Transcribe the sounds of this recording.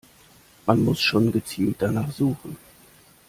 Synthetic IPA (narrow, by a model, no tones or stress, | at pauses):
manmʊsʃoːnɡət͡siːlt̚d̥anaːχz̥uːχn̩